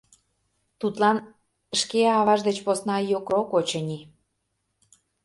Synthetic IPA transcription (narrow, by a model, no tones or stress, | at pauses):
t̪ut̪lɑn | əʃkeɑβɑʒd̪et͡ɕposnɑjokokot͡ɕə̆nʲi